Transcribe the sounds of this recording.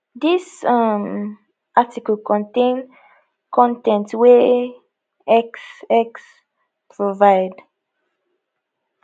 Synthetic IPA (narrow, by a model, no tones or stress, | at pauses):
disam | ʔatikəlkɔ̃ntẽn | kʰɔ̃ntɛ̃ntwe | ɛksɛks | pʰɹovaɪd